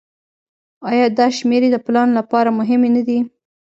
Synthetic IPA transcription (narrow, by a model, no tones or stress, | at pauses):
ɑjɑd̪ɑʃmeɾed̪əplɑnlapɑɾamʊɦɪmenad̪i